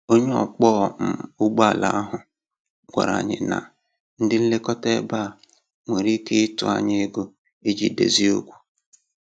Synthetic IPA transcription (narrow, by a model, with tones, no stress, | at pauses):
o˦ɲe˦ɔ̰˨k͡pɔ˦˨m̩˨ʊ˦ɡ͡ba˦˨la˨a˦ɦʊ˨ | ɡʷa̰˨ɾa̰˨ɲɪ̰˨na̰˨ | n̩˦dɪ˦n̩˦le˦kɔ˦te˦ba˦˨ | ŋʷe˨ɾi˦ke˦ɪ˦tʊ˨a̰˦ɲe˦e˦ɡo˦ | e˦d͡ʒi˨dḛ˨zi˦o˦ɡʷu̥˦